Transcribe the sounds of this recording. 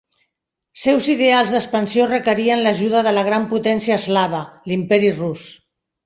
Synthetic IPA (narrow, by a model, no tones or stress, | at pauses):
sɛwziðealˠzðəspənsiorəkəɾiənləʒuðəðələɣ̞ɾamput̪ɛnsiəːzlaβ̞əlimpɛɾirus